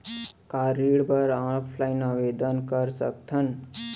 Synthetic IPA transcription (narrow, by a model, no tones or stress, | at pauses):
kaɾiɽbəɾãɭpʰlainaʋed̪ənkəɾsə̰kt̪ʰən